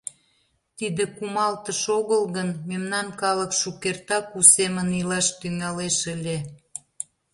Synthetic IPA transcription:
t̪id̪ekumɑlt̪əʃoɣəlɣənmemnɑnkɑləkʃukert̪ɑkusemənilɑʃt̪yŋɑleʃəlʲe

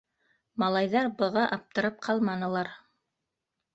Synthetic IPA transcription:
mɑlˠɑjðɑɾbɤ̆ʁɑʔɑp̚t̪ɤ̆ɾɤp̚qʰɑlˠmɑnɤ̆lˠɑɾ

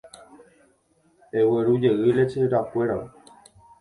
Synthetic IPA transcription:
eweɾud͡ʒeʔɨɾet͡ʃeɾakʷe̞ɾao

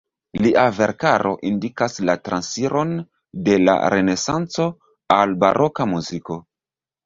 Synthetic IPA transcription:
liʔave̞ɾkaɾʔo̞̰ʔindikaslatɾʔansiɾo̞n | de̞la̰ɾe̞ne̞sant͡so̞ | alba̰ɾʔo̞kamuziko̞

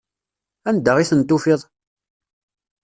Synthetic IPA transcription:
ænd̪əʁiθənt̪ːufɪðˤ

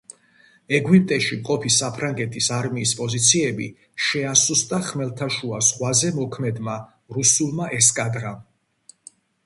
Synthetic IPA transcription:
ɛɡwip̚ʼt̪ʼɛʃimqʼɔpʰisapʰɾaŋɡɛt̪ʰisaɾmiːspʼɔzit̪sʰiɛbḭ | ʃɛasust̪ʼaχmɛlt̪ʰaʃuasʁwazɛmɔkʰmɛd̪ma | ɾusulˠmaʔɛskʼad̪ɾam

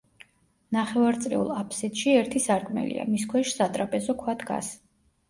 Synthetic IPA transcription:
naχɛvaɾt̪sʼɾḭṵlˠapʰsit̪ʃiɛɾt̪ʰisaɾkʼmɛ̰lḭa̰miskʰwɛʃsat̪ʼɾapʼɛzɔkʰwat̪ʰɡa̰s

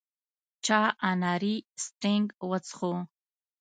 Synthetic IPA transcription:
t͡ʃʰaːʔanaːɾistreŋɡwɐt͡sʰχo

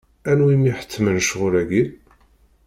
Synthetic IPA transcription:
ænwimiħə̥t͡sːmənʃʁʊɾæɡin

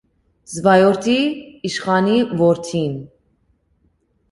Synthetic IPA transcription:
zvɑjɔɾt̪ʰiːʃχɑnivɔɾt̪ʰin

